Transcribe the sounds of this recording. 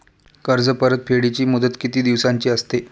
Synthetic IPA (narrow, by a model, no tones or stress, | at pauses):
kəɾd͡zəpəɾət̪̚fʰeɽit͡ɕiːmud̪ət̪kit̪iːd̪iʋsaɲt͡ɕiːəst̪e